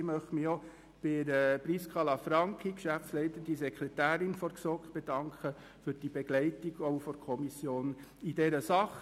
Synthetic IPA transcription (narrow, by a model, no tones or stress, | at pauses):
mœχtmiɔ | b̥ɪɾəpriskʰʁɑlɑfɾɑŋkχikʃæft͡slɛɪt̪əd̥isɛkʰɾɛtæːɾɪnfɔɾksɔkχb̥edɑŋkʰχə | fyɾd̥ibeɡ̥lɛɪtiɡoʊfɔɾkʰɔmisjoːn | idɛɾəsɑχ